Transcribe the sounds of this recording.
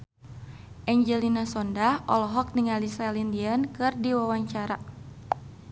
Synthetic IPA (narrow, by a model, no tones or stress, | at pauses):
ʔɛɲd͡ʒɛlinasɔndahɔlɔɦɔk̚niŋalisalindiankɨrdiwawaɲt͡ʃaɾa